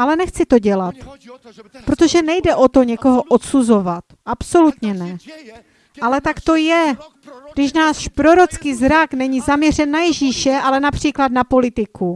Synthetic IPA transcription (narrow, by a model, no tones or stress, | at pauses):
ʔalɛnɛxt͡sɪt̪o̞ɟɛlat̪ | pɾot̪o̞ʒɛnɛjdɛʔo̞t̪o̞ɲɛko̞ɦo̞ʔot̪suzo̞vat̪ʔapso̞lut̪ɲɛnɛ | ʔalɛt̪akt̪o̞jɛ | ɡdɪʃnaːʃpɾo̞ɾo̞t͡skiːzɾaknɛɲizamɲɛr̝ɛnːajɛʒiːʃɛʔalɛnapr̝̥iːklad̪napo̞lɪt̪ɪku